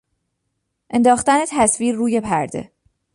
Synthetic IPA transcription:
ʔe̞nd̪ɒːxt̪ænet̪ʰæsviːɾːuːje̞pʰæ̰ɾd̪e̞̰

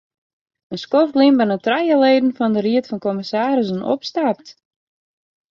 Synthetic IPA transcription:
ənskoftlimbənətrajəleːdən̩fɔndəriətfɔnkoməsaːɾəsənʔo̰pstap̚t

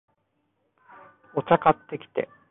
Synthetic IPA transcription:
o̞t͡ɕakat̪ːe̞kʲi̥t̪e̞̰

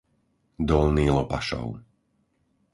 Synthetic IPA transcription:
d̪ɔlniːlɔpaʃɔ̰ʊ

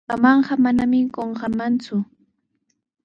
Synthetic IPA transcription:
amɑɴɢɑmanamɪkoɴɢɑmant͡sʊ

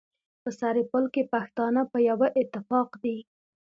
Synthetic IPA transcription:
pəsaɾɪpəlkepaxt̪ɑnapəjawaʔɪt̪ːɪfɑqd̪i

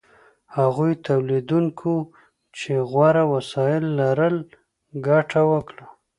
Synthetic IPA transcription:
haɣujt̪ʰawlid̪unkʰo | t͡ʃeɣwaɾawasɑjɪlːaɾəl | ɡaʈawəkɽa

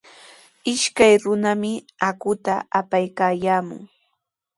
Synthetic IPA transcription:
ɪʃkajɾʊnamɪ | akʊt̪aːpajkaːjaːmʊ̰ŋ

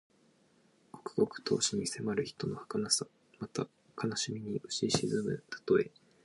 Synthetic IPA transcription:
ko̥kɯ̟̥ɡo̞kɯ̟̥t̪ʰo̞̰ːɕiɲ̟ise̞maɾɯ̟çi̥t̪o̞no̞hḁkanasa | mat̪a | kʰanaɕimʲiɲ̟iʔɯ̟ɕiɕizɨmɯ̟t̪ḁt̪o̞e̞

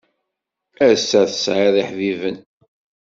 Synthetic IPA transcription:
æɾsːæθəsʕeðˤiħvivən

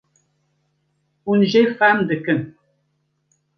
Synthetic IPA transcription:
unʒefamdəkən

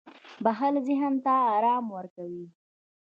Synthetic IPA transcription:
baɦalzɪɦənt̪aːɾɑmwəɾkawi

